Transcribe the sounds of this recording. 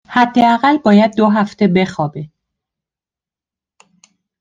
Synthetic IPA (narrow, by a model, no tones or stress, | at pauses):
hæd̪ːe̞æɣælbɒːjæd̪̚ːoɦæft̪ʰebe̞xɒːbe